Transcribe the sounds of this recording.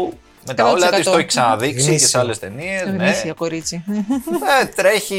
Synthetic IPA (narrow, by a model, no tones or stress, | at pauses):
me̞t̪ɐolɐisoçi̥ksɐnɐðiksiceseɐle̞st̪e̞nie̞znesɐkoɾit͡si | et̪ɾe̞çi